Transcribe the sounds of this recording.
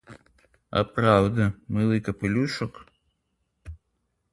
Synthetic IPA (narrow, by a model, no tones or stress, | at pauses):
ɐ̰pɾawd̪ɐmɨlˠɨjkɐpɨlʲuʂɐk